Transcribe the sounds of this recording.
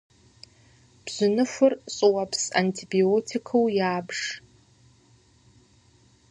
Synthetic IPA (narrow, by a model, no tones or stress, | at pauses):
b̥zɨnɨfʷʊrɕʼɨwapʰsa̰ntʰibiotʰikʰowjaːbʂ